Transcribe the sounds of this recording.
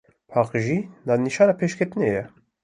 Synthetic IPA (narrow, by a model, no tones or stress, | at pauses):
pʰɑːqʒid̪ɑːniʃɑːnɑpʰeːʃkʰɛt̪ɨnejɛ